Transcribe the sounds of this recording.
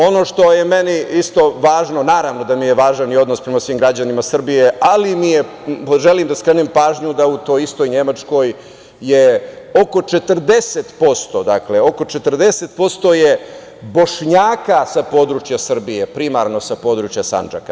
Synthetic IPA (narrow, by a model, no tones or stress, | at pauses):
o̞no̞ʂt̪o̞jeme̞niist̪o̞ʋaːʒno̞naːɾaʋno̞d̪amije̞ʋaːʒanio̞d̪nospɾe̞masʋimɡɾad͡ʑanimasr̩bijealimije | ʒeliːmd̪askɾenimpaːʒɲud̪aut̪o̞ːjist̪o̞jɲe̞mat͡ʂko̞j | je | oko̞t͡ʃe̞t̪r̩d̪e̞set̪po̞st̪o̞d̪akleo̞ko̞t͡ʃet̪r̩d̪e̞set̪̚po̞st̪o̞je | bo̞ʂɲaːkasapo̞d̪ɾut͡ʃjasr̩bijepɾimaɾno̞sapo̞ːd̪ɾut͡ʃjasa̰nd͡ʒa̰ka